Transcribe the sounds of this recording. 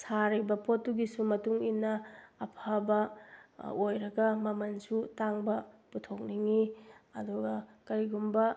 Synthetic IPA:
saɾibɐpʰotːuɡisumɐtuŋinːɐːpʰabɐ | ojɾɐɡɐmɐmɐnsutaŋbɐputʰok̚niŋiɐ̰duɡɐkɐɾiɡumbɐ

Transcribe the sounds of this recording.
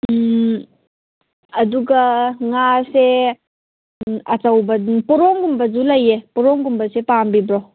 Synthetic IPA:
ɐduɡɐŋase | ɐtɐwbɐpɔɾɔŋɡumbɐd͡ʒulɐjepɔɾɔŋɡumbɐsepambibɾɔ

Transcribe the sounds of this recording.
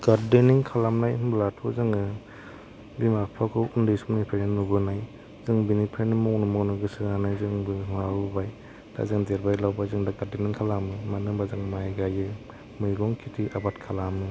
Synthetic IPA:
ɡ̥aɾdeniŋkʰalamnajblatʰɔzɯŋɯ | bimapʰakʰɔundɯsumnipʰeɾenːubɯnaj | zɯŋbinipʰenɯmɔknɯmɔknɯɡɯsɯanajzɯŋbɯmabaj | d̥a̰zɯŋdeɾbajlawbajzɯŋdaɡaɾdeniŋkʰalamɯmanɯŋbazɯŋmajɡajɯ | mɯjɡɔŋkʰitʰiʔabatkʰalamɯ

